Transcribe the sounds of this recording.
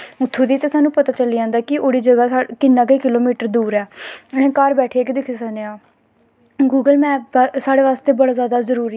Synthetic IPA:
ʊt̪ʰːoːd̪iːt̪eːsaːnũːpət̪aːt͡ʃəliːãːnd̪aːkɪʔoːɽiːd͡ʒəɡaːkɪnːãːkeːkɪloːmiːʈəɾd̪uːɾɛːñẽːkaːɾbɛːʈʰeaːkɪd̪ekʰesəːneːaː | ɡuːɡəlmɛ̃ːsaːɽeːʋaːst̪eːbəɽaːzaːd̪aːzəɾuːɾi

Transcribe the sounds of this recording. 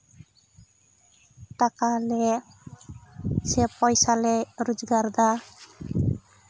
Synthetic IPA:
ʈakale | sepɔjsaleɾud͡ʒɡaɾd̪a

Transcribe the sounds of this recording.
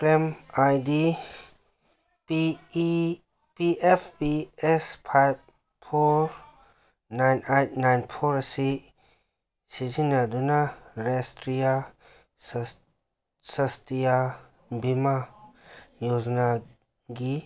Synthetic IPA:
kɾemajdi | p | piʔepʰpiɛspʰajb̚ | pʰoɾ | najnajt̚najnpʰoɾasi | sizinadunaɾestɾija | sɐstija | bima | jozna | ɡi

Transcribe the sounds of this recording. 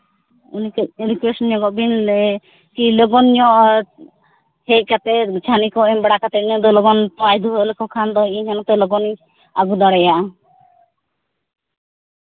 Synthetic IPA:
unikunikwesɔnɲɔɡɔbinɛ | kilɔɡɔnɲɔʔ | hɛc̚ˀkat̪ɛt͡ʃʰanikɔɛmbɛɽakat̪ɛiɲɔd̪ɔlɔɡɔnp̪ajd̪uɦɔlɛkɔkʰand̪ɔiɲhɔnɔt̪ɛlɔɡɔni | aɡud̪ɔɽɛjaʔ

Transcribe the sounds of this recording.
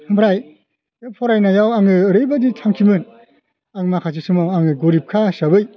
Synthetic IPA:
hɯmpʰɾaj | pʰɔɾajnajawaŋɯɾɯjbaditʰaŋkʰimɯn | aŋɯmakʰas̬isɯmawaŋɯɡoɾip̚kʰasabɯj

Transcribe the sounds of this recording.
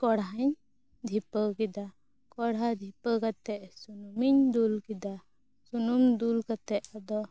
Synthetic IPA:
kɔɽɦaɲ | d̪ʱipəkid̪a | kɔɽad̪ʱipəkat̪ɛʔsunumiɲd̪ulkid̪a | sunumd̪ulkat̪ɛʔad̪ɔ

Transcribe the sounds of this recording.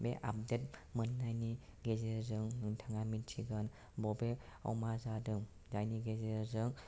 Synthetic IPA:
beʔap̚det̚mɯnːajniɡezezɯŋnɯntʰaŋamitsʰiɡɯn | bɔbeɔ̰wmazadɯŋ | zajniɡezezɯŋ

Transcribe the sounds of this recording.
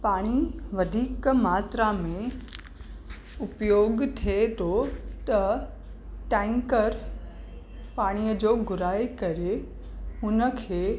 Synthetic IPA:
paːɽ̃iʋɐd̪ʱiːkmaːt̪ɾamẽ | ʊpjoːɡt̪ʰet̪ʰot̪ɐ | ʈɛ̃ːŋkəɾ | paːɽ̃ijəd͡ʑoːɡʊɾaːjkɐɾe | ʊnə̆kʰeː

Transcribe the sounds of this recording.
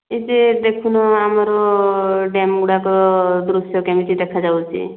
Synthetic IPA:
ed͡ʒed̪ekʰunɔamaɾɔ | ɖemɡuɽakɔd̪ɾusjɔkɛmiʈid̪ɛkʰad͡ʒawt͡ʃʰḭ

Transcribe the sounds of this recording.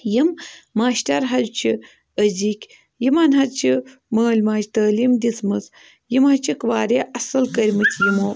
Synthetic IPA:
jimːaːʃʈɐɾɦɐzt͡ʃʰi | əzikʲ | jimɐnɦɐdt͡ʃʰiməːlʲmaːd͡ʒt̪əːlimd̪ʲit͡smɨt͡s | jimhɐt͡ʃʰikʋaːɾeʔɐsɐlkɐɾʲmɨt͡sʲʰjimoː

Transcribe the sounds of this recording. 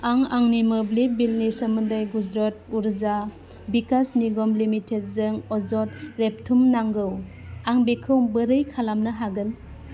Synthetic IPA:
aŋaŋnimɯblibilnisəmɯndajɡud͡ʒɾɔt̚uɾza | bikasniɡɔmlimitʰed̚zɯŋɔzɔt̚ɾep̚tʰumnaŋɡɯwaŋbekʰɯwbɯɾɯjkʰalamnaɦaɡɯn

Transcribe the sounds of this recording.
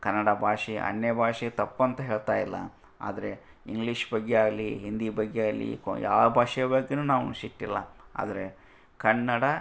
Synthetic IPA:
kɐnːɐɽɐbʱaːʂiɐ̰nːebʱaːʂiɡet̪ɐpːɐnt̪ɐɦeːɭt̪aːjilːɐ̰ | a̰ːd̪ɐɾe̞ | iŋɡliʂbɐɡːeaːɡliɦind̪ibɐɡːeaːɡlḭkja̰ːʋɐbʱaːʂɛjɐbɐɡːenuːnaːʋuʃiʈːilːɐ̰a̰ːd̪ɐɾe | kɐnːɐɽɐ

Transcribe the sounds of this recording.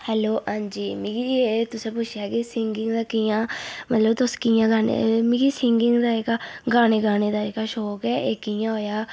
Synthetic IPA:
hɛːloːʔãːnd͡ʒiːmĩːkid͡ʒieːt̪ʊsẽːp̬ʊt͡ʃʰjaːkisɪŋɡɪŋɡd̪aːkɪjãːmət̪ləbt̪oskɪjãːɡaːnḛmĩkisɪŋɡɪŋɡd̪aːekaɡaːneːɡaːneːd̪aːekaːʃɔːkɛːeːkɪjãːɦoːjaː

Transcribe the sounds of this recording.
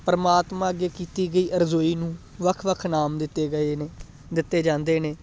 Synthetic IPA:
pəɾəmaːt̪mãːəɡeːkiːt̪iːɡəiːʔəɾzoːiːnũː | ʋəkʰʋəkʰnaːmd̪ɪt̪ːeːɡəe | d̪ɪt̪ːeːd͡ʒãːnd̪eːneː

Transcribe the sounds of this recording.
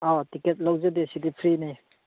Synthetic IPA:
ɔtiket̚lɐwzɐdesidipʰɾini

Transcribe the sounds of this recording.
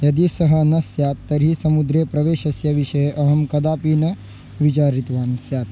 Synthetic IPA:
jɐd̪isɐɦɐnɐsjaːt̪ːɐɾisɐmud̪ɾeːpɾɐʋeːʃɐsjɐʋiʃɐjeʔɐɦɐmkɐd̪aːpiːnɐ | ʋit͡ʃaːɾit̪ʋaːnsjaːt̪

